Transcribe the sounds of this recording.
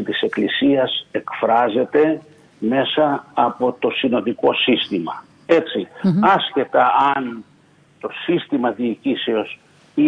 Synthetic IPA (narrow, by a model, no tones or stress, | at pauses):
it̪ise̞klisiɐse̞kfɾɐze̞t̪e̞ | me̞sɐɐpo̞t̪o̞sino̞nd̪iko̞sist̪imɐ | e̞t͡siɐsce̞t̪ɐɐn | t̪o̞sist̪imɐðiːciseo̞s | i